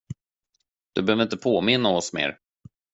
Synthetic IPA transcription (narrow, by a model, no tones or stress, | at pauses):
d̪̥ɵbɛhøːvəɾɪnt̪əpʰoːmɪnːaɔsmḛːɾ